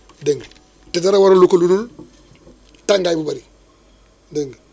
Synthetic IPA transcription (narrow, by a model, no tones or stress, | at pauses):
deŋɡ | tetaɾawaɾolukoludul | taŋɡajbubaɾi | deŋɡ